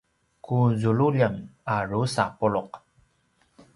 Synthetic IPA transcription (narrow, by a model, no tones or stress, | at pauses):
kuzuɭuʎamaɾusapuɭʊq̚